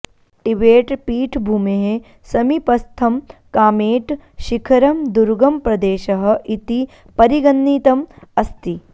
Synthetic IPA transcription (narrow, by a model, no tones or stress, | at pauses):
ʈiʋeːʈpiːʈʰbʱuːmeɦe | sɐmipɐst̪ʰɐmkaːmeːʈʃikʰɐɾɐmd̪uɾɡɐmpɾɐd̪eːʃɐɦɐ̆ʔit̪i | pɐɾiɡɐnːiːt̪ɐmɐst̪i